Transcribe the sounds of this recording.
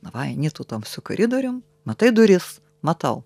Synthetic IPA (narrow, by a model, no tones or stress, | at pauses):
nɐʋɑjnʲit̪ʊt̪omsʲʊkɐɾʲɪd̪oɾʲʊm | mɐt̪ɐɪd̪ʊɾʲɪs | mɐt̪ɐʊ